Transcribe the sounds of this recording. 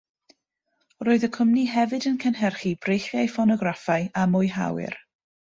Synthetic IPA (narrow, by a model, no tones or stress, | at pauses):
roːɨðəkʰəmniɦɛvɨdənkʰɛnɦɛrχib̥rejχjajfɔnɔɡrafajamʊjɦa̰wɪ̰r